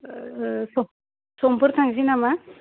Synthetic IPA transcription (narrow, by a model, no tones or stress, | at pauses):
so | sompuɾt̪ʰaŋsinama